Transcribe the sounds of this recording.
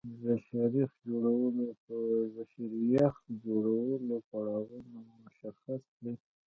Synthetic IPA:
zaʃɑɾixd͡ʒoɽawəlopəzaʃiɾjaxt̪d͡ʒoɽawəlopaɽɑwunomʊʃaxasd̪e

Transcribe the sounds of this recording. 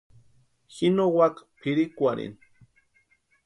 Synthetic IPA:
xinowakpʰiɾikʷaɾḭn

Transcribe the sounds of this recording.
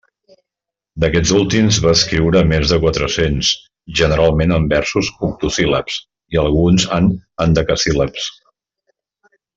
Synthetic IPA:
d̪əkɛd͡zulˠt̪imzβaəskɾiwɾəmezðəkwat̪ɾəsens | ʒənəɾalˠmenəmbɛɾsusuk̚t̪usiləps | iəlˠɣunzanənd̪əkəsiləps

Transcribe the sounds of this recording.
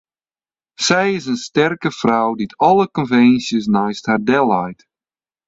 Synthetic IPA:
sɛjɪs̬ənstɛrkəfrawditʰɔlˠəkɔnvɛnsjəs̬najsthardɛlˠajt

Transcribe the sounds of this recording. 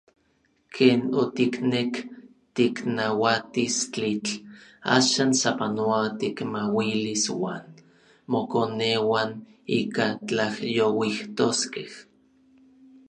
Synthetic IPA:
kʰeːnot̪iknek | t̪iknawat̪ist͡ɬit͡ɬa̰ːʃaːnsapanoat̪ikmawiliswa̰ːn | mokonewaniːkat͡ɬahjowiht̪oskeh

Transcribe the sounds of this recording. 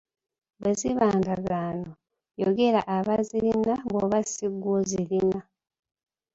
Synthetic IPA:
beziβaːndaɡaːno | joɡe̞ɾaʔaβaziɾinabwoβasiɡwozilina

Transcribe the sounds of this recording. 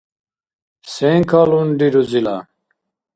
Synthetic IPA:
seŋkʰalunɖiɾuzila̰

